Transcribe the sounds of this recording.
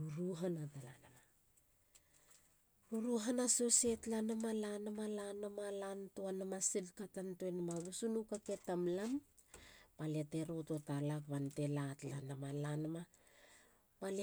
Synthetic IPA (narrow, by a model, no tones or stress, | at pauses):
uɾuɦanatala̰nama | ɾuɾuɦanasosetlanamalanamalanamalantoanamasilkatantoenamaβusunukake̞tamlam | palete̞ɾoto̞talaβante̞latlanamalanama | pale